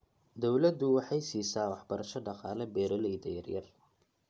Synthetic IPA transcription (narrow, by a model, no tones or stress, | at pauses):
d̪ɔwlɐd̪ʊwɑħɑjsiːsaːwɑħbɐɾɐʃɔɖɑqɑːlɐbɛːɾɐlɛjd̪ɐjɐ̰rjɐ̰r